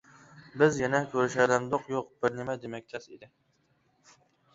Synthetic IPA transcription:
bɪzjɛnɛkʲʰøɾɪʃɛd̪ɛmd̪oqjoq̚b̥ɪɾnɪmɛd̪emɛk̚ʲt̪ʰɛsḭd̪ɪ

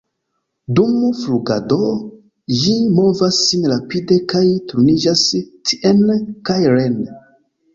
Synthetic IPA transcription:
dumfɾuɡa̰do | jimo̞vasːinɾapidekajtuɾnid͡ʒastʰi̥ʔenkajɾen

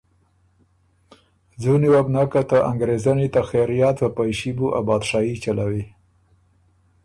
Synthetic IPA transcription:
zuniwabnɑkat̪aʔa̰ŋɡɾezanit̪axeɾijat̪wəpajʃibuʔa̰bɑd̪ʃɑit͡ʃalawi

